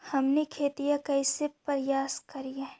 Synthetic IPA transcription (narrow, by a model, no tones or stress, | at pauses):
hɐmnekʰeːt̪ijakɐisepɐɾjaːskɐɾijaɦɛ